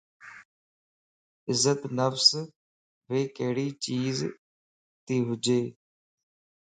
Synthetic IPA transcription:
ɪzət̪nəfs | ʋeːkəɦɽiːt͡ʃiːz | t̪iːɦʊd͡ʒeː

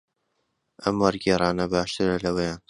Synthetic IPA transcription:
ʔɐmwɐɾɡɛːɾˤɑːnɐbaːʃt̪ɨɾɐlɐwejaːn

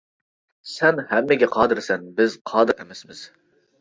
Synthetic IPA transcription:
sɛnhɛmːɪɡʲɛqʰɑːd̪ɨɾsɛnbɪzqʰɑːd̪ɨɾɛ̰mɛsmɪz̥

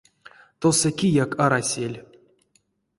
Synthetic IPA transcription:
t̪osəkʲijakaɾasʲelʲ

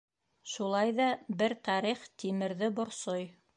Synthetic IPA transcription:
ʃulˠɑjðɑbɘɾt̪ɑɾiχt̪imɘ̆ɾðɘbŏɾsoj

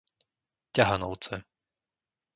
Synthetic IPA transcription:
caɦanɔʊt͡sɛ

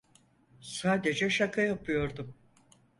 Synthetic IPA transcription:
saːd̪e̞d͡ʒɛʃakʰajapʰɯjo̞ɾd̪um

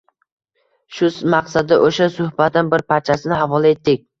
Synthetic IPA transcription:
ʃʊsmaqsad̪ɪʔoʃasʊhbat̪ɪnbɪɾpʰaɾt͡ʃʰasɪnɪɦavɒlˠae̞t̪ːɪk̚ʲ

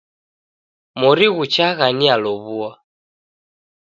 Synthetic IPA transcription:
mɔɾiɣut͡ʃaɣanialɔβua

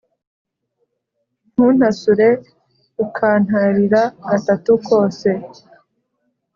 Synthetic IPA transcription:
n̥huːn̥hasuɾe̞ | ukʰaːn̥haɾiɾaɡatatuko̞ːse̞

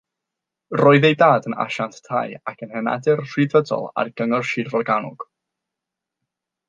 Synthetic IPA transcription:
rɔːɨðejdaːdəna̰ʃanttʰa̰jakʰənhɛna̰dɪrr̥idvədɔ̰lˠa̰rɡəŋɔrʃɪdvɔrɡanʊ̰ɡ̥

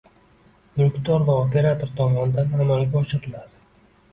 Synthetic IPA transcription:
mɪqt̪ɒɾvaopʰe̞ɾat̪ʰoɾt̪ʰɒmɒnɪd̪anamalɡʲaɒt͡ʃʰɨɾɨlad̪ɪ

